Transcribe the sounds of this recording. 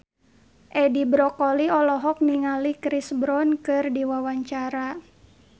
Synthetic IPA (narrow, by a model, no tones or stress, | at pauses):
ʔɛdibɾɔkɔliɔlɔɦɔk̚niŋalikɾisbɾɔnkɨrdiwawaɲt͡ʃaɾa